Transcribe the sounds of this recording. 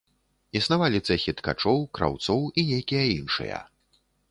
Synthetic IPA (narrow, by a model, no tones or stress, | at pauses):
isnavalʲit̪sɛxʲit̪ka̰t͡ʂɔwkɾa̰wt̪sɔwinʲejkʲijɐinʂɨ̰jɐ̰